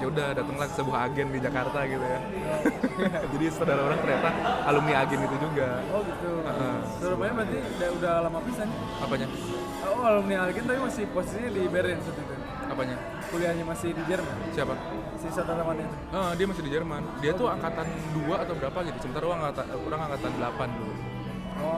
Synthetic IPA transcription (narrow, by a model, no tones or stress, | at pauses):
ɲaudahdat̪əŋlasəbuɦaaɡɛndid͡ʒakart̪aɡit̪uja | d͡ʒadisodalaoɾaŋt̪əɾɲat̪aalʊmniaɡɛnit̪ud͡ʒuɡaɔɡət̪ʊləʔə | səɾumaɲabɾənt̪i | daudahlamapisan | apaɲa | alʊmniaɡɪnt̪apimasɪhposisiɲadibeɾɛaŋsət̪ut̪u | apaɲa | kuliɦaɲamasɪhdid͡ʒərmansiapa | asɪsodalamanit̪uədiamasɪhdid͡ʒərmandiat̪uaŋkat̪an | duaːt̪awbəɾapaɡit̪usəmənt̪aɾaoɾaŋt̪aoɾaŋaŋkat̪andəlapandulu | ɔ